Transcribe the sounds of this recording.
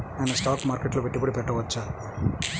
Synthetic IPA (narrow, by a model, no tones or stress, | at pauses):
ɐnːɐsʈaːkmaːɾkeʈlopeʈːipɐɽipɛʈːɐʋɐt͡ʃːa